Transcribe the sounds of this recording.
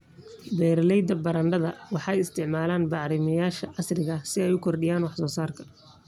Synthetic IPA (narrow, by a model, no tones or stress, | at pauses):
bɛːɾlɛjd̪ɐbɐɾɐɳɖɐðɐwɑħɑɛjɪst̪ʰɪʕmaːlaːnbɑʕɾɪmɐjaːʃɐʕɑsrɪɣɐsɪɛjʊkʰɔrɖɪjaːnwɑħsɔːsaːrkʰɐ̥